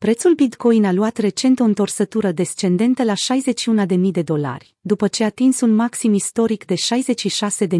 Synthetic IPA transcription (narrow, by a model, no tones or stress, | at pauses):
pɾe̞t̪sulbit̪ko̞jnaluat̪re̞t͡ʃe̞nt̪o̞ɨnt̪orsət̪uɾəd̪e̞st͡ʃe̞nd̪e̞nt̪əlaʃajze̞t͡ʃʃiunad̪e̞mijd̪e̞d̪o̞la̰rʲ | d̪upət͡ʃe̞at̪insunmaksimist̪o̞ɾikd̪e̞ʃajze̞t͡ʃʃiʃase̞d̪e̞